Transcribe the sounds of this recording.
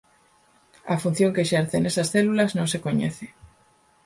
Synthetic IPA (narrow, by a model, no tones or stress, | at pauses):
ɐfun̟θjoŋkeːʃɛɾθenesasθelulɐznõŋsekoɲḛθe